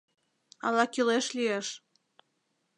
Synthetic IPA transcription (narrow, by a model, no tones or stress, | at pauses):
ɑ̰lɑkileʃlieʃ